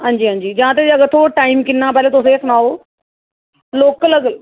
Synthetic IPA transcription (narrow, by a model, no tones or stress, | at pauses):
ɦãːɲd͡ʒiːãːɲd͡ʒiːd͡ʒãːt̪eːəɡəɾt̪ʰoːʈaːiːmkɪnːãːp̬ɛːleːt̪ʊsẽːsʊnaːoː | loːkləɡl